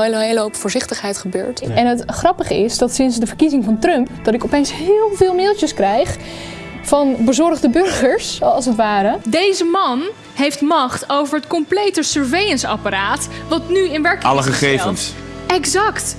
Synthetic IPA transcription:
elowpv̥ʊːɹzɪχtəχɦɛjtχəbø̰ːɹtɛnɦətχrɑpəχəɪsdɑtsɪnsdəvəɹkizɪŋvɑntrɵmpd̥ɑtɪkɔpejnsɦɪːlˠvɪːlˠmɪlˠt͡ʃəskrɛjχ | fɑnbəzɔrχdəbɵrχəɹsɑlˠsətʋaːɾədejzəmɑn | ɦejftmɑχtowvəɹətkɔmplejtəsəɹvejənsɑ̰paɾaːtʋɑtnyɪnʋɛɹkɑ̰ləχəχejvə̰nsɛkzɑkt

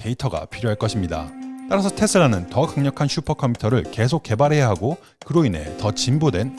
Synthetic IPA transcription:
te̞itʰʌɡa̰pʰiɾjoɦaɭk͈ʌɕʰimɲida̰t͈aɾasʰʌtʰe̞sʰɯɾanɯntʌkaŋɲʌkʰanɕʰupʰʌkʰʌmʰitʰʌɾɯɭke̞sʰok̚k͈ːe̞baɾɦe̞jaɦaɡo | kɯɾoinɦe̞̰tʌt͡ɕimbodwe̞n

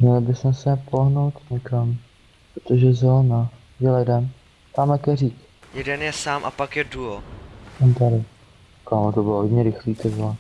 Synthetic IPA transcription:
mɲɛlɪbɪsmɛsɛpoɦno̞wt̪ɲɛkam | pɾot̪oʒɛzɛlna | jɛlɛdɛn | t̪amakɛriːk | jɛdɛnjɛsaːmʔa̰pakjɛduoɛnt̪aɾɪ | kamot̪obɪloɦodɲɛɾɪxliːt̪ɛzɛn

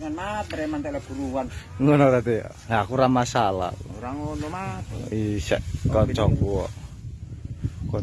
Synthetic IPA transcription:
ŋanmat̪ɾɛmant̪elɛb̥uɾuwanŋonɔɾat̪e | nakuɾamasala̰ɾaŋonɔmaisɛ̰ʔkɔt͡ʃɔŋkuwɔ | kɔ

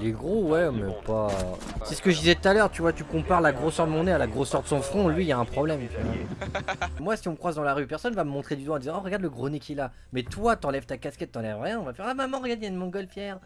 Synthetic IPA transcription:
leɡʁowɛmɛ̰pa | sɛsə̥kəʒəd̪izɛt̪ut̪alœʁt̪yvwat̪ykɔ̃paʁlaɡʁosœʁd̪əmɔ̃nɛalaɡʁosœʁd̪əsɔ̃fχɔ̃lɥilaɛ̃pχɔblɛmt̪ymɛ | mwasiɔ̃məkχwazd̪ɑ̃laʁypɛʁsɔnvaməmɔ̃t̪χed̪yd̪wɑ̃d̪izɑ̃ɔʁəɡaʁd̪ləɡʁonekʲiɛla | mɛt̪wat̪ɑ̃lɛvt̪akaskʲɛt̪ːɑ̃lɛvʁjɛ̃ɔ̃vafɛʁamamɑ̃ʁəɡaʁd̪ɛanmɔ̃ɡɔlfjɛʁ

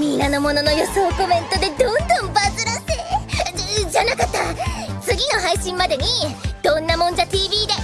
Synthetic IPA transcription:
mʲinːano̞mo̞no̞no̞jo̞so̞ːko̞mẽ̞nt̪o̞d̪e̞d̪õ̞nd̪õ̞mbazɨɾaseː | d͡ʑanakat̪ːat͡sɨɡʲino̞ɦaiɕĩmmad̪e̞ɲ̟id̪̥õ̞nːamõ̞ɲ̟d͡ʑat̪iːbʲiːd̪e

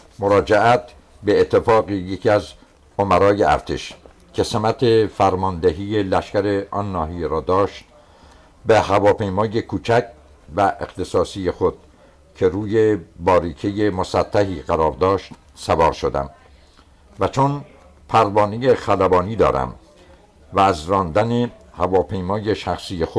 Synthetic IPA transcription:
moɾɒːd͡ʒeʔæt̪ | beːt̪ʰːefɒːɣijecʰiæz | omæɾɒːjeæ̰ɾt̪ʰḛʃ | cʰe̞semæt̪ʰefæɾmɒːnd̪eɦiːjelæʃkæɾeʔɒːnːɒːɦijeɾɒːd̪ɒːʃt̪̚ | behævɒːpe̞jmɒːje̞kʰuːt͡ʃʰækʰ | væʔḛxt̪e̞sɒːsijexod̪̥̚ | cʰe̞ɾuːjebɒːɾiːkʰejemosæt̪ʰːæɦiːɢæɾɒːɾd̪ɒːʃt̪ | sævɒːɾʃod̪æ̰m | væt͡ʃʰon | pʰæɾbɒːnijexælæbɒːniːd̪ɒ̰ːɾæ̰m | væːzrɒːnd̪ænehævɒːpʰe̞jmɒːje̞ʃæxsiːjexo

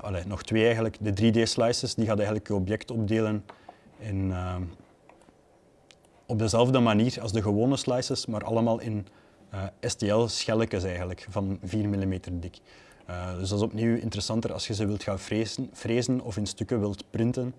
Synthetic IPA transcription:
ɑ̰leːnɔxtweːɛjɣənləkdədriːdeːslɑjsəsdiɣaːtɛjɣəndləkəɔbjɛktɔb̚deːlənɛnə | ɔb̚dəzɛlˠvdəmaniːrɑlˠzdəɣəwoːnəslɑjsəsmaːɾʔɑ̰ləmaːlˠʔɪn | əːɛsteɛlˠsxɛləkəs̬ɛjɣənləkvɑnviːrmilimeːtərdɪk | ədɵsdɑzɔpniwɪ̰ntəɾəsɑntərɑ̰lˠsxəzəʋɪlˠtxaːfezfreːzənɔ̰fɪnstʏkəʋɪlˠtprɪntən

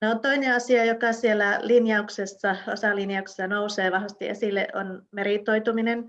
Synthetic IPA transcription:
neont̪oineɑsiɑjokɑsielːˑælinjɑuksesːɑo̰sɑlinjɑukse̥sːɑnouseːʋɑhʋɑst̪ḭʔḛsilːḛʔo̰nmerit̪oit̪uminen

